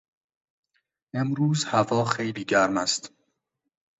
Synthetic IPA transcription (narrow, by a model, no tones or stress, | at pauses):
emɾuːzhævɒːxejliːɟæɾmæst̪